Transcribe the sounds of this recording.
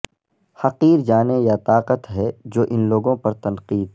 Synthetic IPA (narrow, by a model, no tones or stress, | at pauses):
hɐqiːɾd͡ʒaːnejat̪aːqət̪ɦɛd͡ʒoːʔɪnloːɡõpɐɾt̪ɐnqiːd̪ɛ